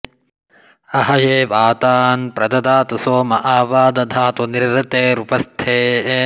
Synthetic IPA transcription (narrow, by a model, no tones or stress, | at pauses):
ɐɦɐjeːʋaːt̪aːnpɾɐd̪ɐd̪aːt̪ɐsoːmɐʔaːʋaːd̪ɐd̪ʱaːt̪ɐniɾɾɐt̪eːɾupɐst̪ʰeː